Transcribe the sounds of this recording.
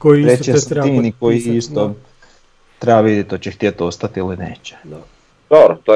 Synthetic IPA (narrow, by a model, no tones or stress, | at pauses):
koiɾejesimnikoiist̪o | t̪ɾebaʋid̪jet̪ot͡ɕext̪iet̪ost̪at̪ilineːt͡ɕe̥ | d̪̥obɾot̪o